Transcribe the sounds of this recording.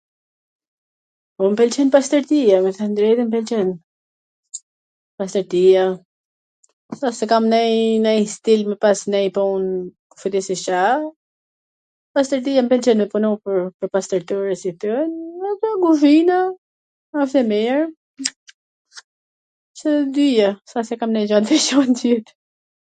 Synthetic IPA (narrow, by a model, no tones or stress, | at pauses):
ɔmpɛlt͡ʃɛnpast̪əɾt̪iamɛθand̪ɾɛd̪ɛmpɛlt͡ʃɛn | past̪əɾt̪ija | sasɛkamnɛjnɛjst̪ilmɛpasnɛjpɔunkufud̪isiʃa | past̪əɾt̪ijambɛlt͡ʃɛnmɛpunupəɾpəɾpast̪əɾt̪uɾəsit̪ənataɡuvina | aft̪ɛmɛɾ | t͡ʃəd̪yjasasɛkamnɛjd͡ʒɔd̪vɛʃɔnt̪it̪